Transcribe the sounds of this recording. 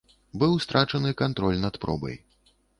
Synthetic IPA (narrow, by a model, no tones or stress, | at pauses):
bɨwst̪ɾʔat͡ʂɐnɨkant̪ɾɔlʲnɐt̪pɾɔ̰bɐ̰j